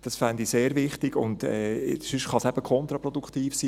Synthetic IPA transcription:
d̥ɑsfænd̪iseːɾvɪχtɪɡʊ̰ndɛ̰ːsʏʃtχɑsæb̥əkʰɔnt̪ɾɑpɾɔd̥̪uktiːfsiː

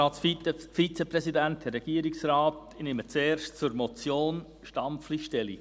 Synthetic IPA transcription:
ɑːsffit͡sepɾɛsidænt̚dɛrɾːɛɡ̥iəɾiksɾɑːt | nɪmət͡seːrʃtt͡sʊɾmɔt͡sjoːn | ʃtɑmfliʃtɛlḭ

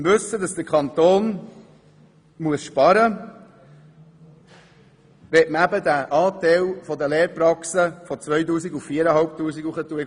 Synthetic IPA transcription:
vɵsːəd̪ɑsd̥̪əɾkʰχɑnt̪oːn | muəsʃpɑɾə | ʋɛtməæbəd̪æʔɑːt̪ɛlfɔd̪əleːɾpɾɑksəfɔt͡sʋœjtuːsiɡuffiəɾəɦɑlp̚t̪uːsiɡuχət̪uə

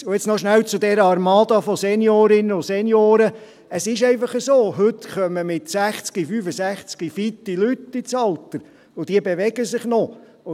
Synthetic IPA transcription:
ʊjɛt͡snɔʃnælt͡sʊd̪ɛɾəɑɾmɑːd̪ɑfɔsɛnjoːɾɪnəʊsɛnjoːɾə | əsɪʃɛɪfɑχəsoːɦɵt̪χœməmɪt̪sæχt͡skifyːfəsæχt͡skifit̪ːilyt̪ːit͡sɑlt̪əɾ | ʊd̥̪iəbeʋɛɡəsɪχnɔ | ʊ

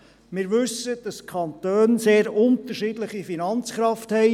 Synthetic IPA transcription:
mɪːɾʋɵsːəd̥ɑskʰɑntøːnseːɾʊnt̪əɾʃiːdləχifinɑnt͡sχɾɑfthɛɪ

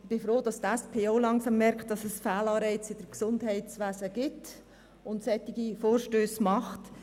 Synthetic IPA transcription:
b̥ɪfɾoːdɑstɛspʰeːolɑŋsɑmːɛɾkt̚d̥ɑsɛsfæːlɑːɾɛɪt͡sɪd̥əɾksʊndɦɛɪtt͡sʋæːzəɡ̥ɪt | ʊntsɛtːɪɡ̥ifoːɾʃtøːsmɑχt

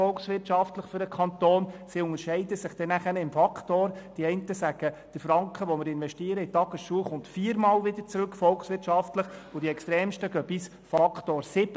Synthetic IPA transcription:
ɔlksʋɪrtʃɑftləχfʏɾəkʰɑnt̪oːnsiʊŋəɾʃɛɪdəsɪχd̥ɛnæχænɪmfɑkχtoːɾd̥iɛɪntəsæɡ̥əd̥əfɾɑŋkχəʋɔmɪɾɪnʋɛʃtiːəɾəɪtɑɡ̥əsʃuːəχʊntfiːɾmɑːlʋɪdəɾt͡sɾɵkfɔlksʋɪrtʃɑftləχʊd̥iɛkstɾɛːmʃtəɡ̥œbis | fɑkχtoːɾsɪb

